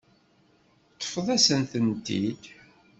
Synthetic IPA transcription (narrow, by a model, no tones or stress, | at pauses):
t̪ˤːə̥fəðˤæsənθənt̪id̪